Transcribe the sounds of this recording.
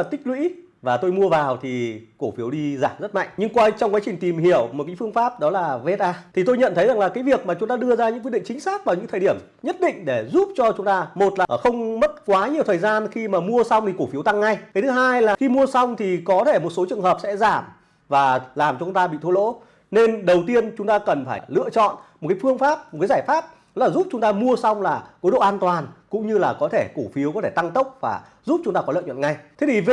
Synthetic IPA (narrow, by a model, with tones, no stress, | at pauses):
a˨˩t̪ï˦˥k̟̚lwḭ˧˥ | vaː˨˩t̪o˧jmu˧əvaː˨˩wt̪ʰi˨˩ko˧˩fi˨˦əwɗi˧zaː˧˩mzə˦˥t̚ma̰˧˨jŋ̟ɲɨ˧ŋkwaː˧t͡ɕɔ˧wŋ͡mkwaː˨˦jt͡ɕi˨˩ŋ̟t̪i˨˩mhi˧˩əwmo˨˩kaː˨˦fɨ˧əŋfaː˦˥p̚ɗɔ˨˦laː˨˩ve˧˦t̚ʔaː˧t̪ʰi˨˩t̪o˧jɲə̰˧˨nt̪ʰə˨˦jza˨˩ŋlaː˨˩kaː˨˦jvi˨˩ək̚maː˨˩t͡ɕʊ˨˦ŋ͡mt̪aː˧ɗɨ˧əzaː˧ɲɨ̰˧˥k̬̚ɗḭ˧˨ŋt͡ɕï˨˦ŋ̟saː˦˥k̚vaː˨˩wɲɨ̰˧˥ŋt̪ʰəː˨˩ɗi˧˩əm | ɲə˦˥t̚ɗḭ̈˧˨ŋ̟ɗe˧˩zu˦˥p̚t͡ɕɔ˧t͡ɕʊ˨˦ŋ͡mt̪aː˧mo˨˩t̚laː˨˩xə˧wŋ͡mmə˦˥t̚kwaː˨˦ɲi˨˩əwt̪ʰːjzaː˧nxi˧maː˨˩mu˧əsa˧wŋ͡mt̪ʰi˨˩ko˧˩fi˨˦wt̪a˧ŋːa˧jk̪ə˨˦jt̪ʰɨ˨˦ɦaː˧jlaː˨˩xi˧mu˧əsa˧wŋ͡mt̪ʰi˨˩kɔ˨˦t̪ʰe˧˩mo˨˩t̚so˨˦t͡ɕɨ˨˩əŋɦəː˨˩p̚sɛ̰˧˥zaː˧˩m | vaː˨˩laː˨˩mt͡ɕɔ˧t͡ɕʊ˨˦ŋ͡mt̪aː˧ɓḭ˧˨t̪ʰo˧lo̰˧˥ | ne˧nɗə˨˩wt̪i˧ənt͡ɕʊ˨˦ŋ͡mt̪aː˧kə˨˩nfaː˧˩lɨ̰˧˨ət͡ɕɔ̰˧˨nmo˨˩t̚kaː˨˦jfɨ˧əŋfaː˦˥p̚m̚˨˩kaː˨˦zaː˧˩jfaː˦˥p̚laː˨˩zu˦˥p̚t͡ɕʊ˨˦ŋ͡mt̪aː˧mu˧əsa˧wŋ͡mlaː˨˩ko˨˦jɗo̰˧˨ʔaː˧nt̪waː˨˩nkʊ̰˧˥ŋ͡mɲɨ˧laː˨˩kɔ˨˦t̪ʰe˧˩ku˧˩fi˨˦əwkɔ˨˦t̪ʰe˧˩t̪a˧ŋt̪ə˦˥wk͡p̚vaː˨˩ | zu˦˥p̚t͡ɕʊ˨˦ŋ͡mt̪aː˧ɔ˨˦l̰ə̰ː˧˨ɲwə̰˧˨nŋa˧jt̪ʰe˨˦t̪ʰi˨˩v